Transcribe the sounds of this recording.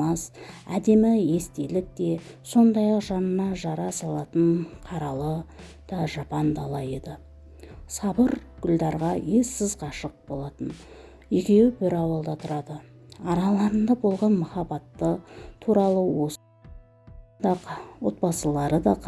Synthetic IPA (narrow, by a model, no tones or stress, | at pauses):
ɑsæ̰d̪e̞mɪje̞st̪e̞lɪk̚t̪e̞so̞nd̪ɑjɑqʒɑnənɑʒɑɾɑsɑlˠɑt̪əɴqʰɑɾɑlˠə | d̪̥ɑʒɑpɑnd̪ɑlˠɑje̞d̪ɪ | sɑbəɾɡ̥ʲʏld̪ɑɾʁɑje̞sɪzqɑʃəq̚bo̞lˠɑt̪ən | jikʲe̞wɪbɪɾɑwɑlˠd̪ɑt̪ʰʊɾɑd̪ə | ɑɾɑlˠɑɾənd̪ɑbo̞lˠʁɑnmʊχɑbɑt̪ːət̪ʰuɾɑlˠəwo̞ | ɑwo̞̰t̪̚bɑsəlˠɑɾəd̪ɑq